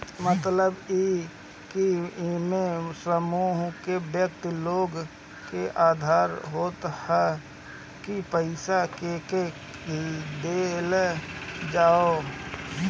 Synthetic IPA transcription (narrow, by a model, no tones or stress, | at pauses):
mət̪ləbi | kimẽsəmuːɦkebjək̚t̪loːɡ | keʔaːd̪ʱaːɾɦoːt̪hɛ | kipəɪsakeke | id̪el | d͡ʒaːo